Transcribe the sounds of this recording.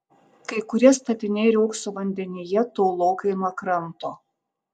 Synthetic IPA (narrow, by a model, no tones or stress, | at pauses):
kɐɪkʊɾʲiɛst̪ɐt̪ʲɪnʲeːɾʲɛʊksoʋɐnʲd̪ʲɛnʲɪjɛt̪oːlˠoːkɐɪnɐkɾɐnt̪oː